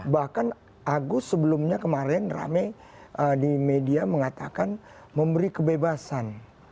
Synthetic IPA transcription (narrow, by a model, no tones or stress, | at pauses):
bahkan | ʔaɡusəbəlumɲakəmaɾɛnra̰mɛ | ʔədimediaməŋat̪akan | məmbəɾikəbebasan